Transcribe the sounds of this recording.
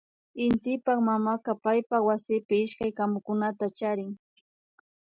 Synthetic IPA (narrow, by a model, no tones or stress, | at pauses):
ɪnt̪ɪpaχmamakapajpawasɪpɪɪʃkajkamʊkʊnat̪at͡ʃaɾɪŋ